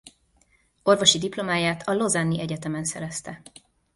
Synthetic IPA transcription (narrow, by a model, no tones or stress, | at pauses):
o̞rvo̞ʃid̪iplo̞maːjaːt̪ʰɒlo̞zɛnːiʔɛɟɛt̪ɛmɛnsɛ̰ɾɛst̪ɛ